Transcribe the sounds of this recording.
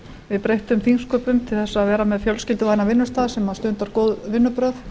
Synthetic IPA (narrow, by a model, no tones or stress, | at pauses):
vɪðpɾejht̪ʏmθiŋskœːpʏmt̪ʰɪlθɛsːaːðvɛːɾamɛðfjœlscɪlt̪ɪanavɪnːʏst̪aːðsɛmaðst̪ʏnt̪aɾkoːwðvɪnːʏpɾœθ